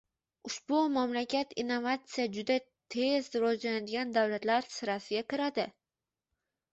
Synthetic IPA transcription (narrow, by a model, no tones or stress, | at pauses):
ʊʃbʊmamlakʲʰat̪inːovat̪sɨjad͡ʒʊd̪a | t̪ʰezɾɒanad̪ɪɡʲand̪awlat̪laɾsɪɾasɪɡʲakʲɪɾad̪ɪ